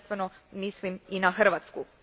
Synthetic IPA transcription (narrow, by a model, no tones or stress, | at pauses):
st̪ʋenomisliminaxr̩ʋat̪sku